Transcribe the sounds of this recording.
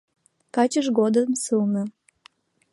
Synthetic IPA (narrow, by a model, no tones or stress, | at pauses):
kɑt͡ɕəʃɣod̪əmsɨlnə̆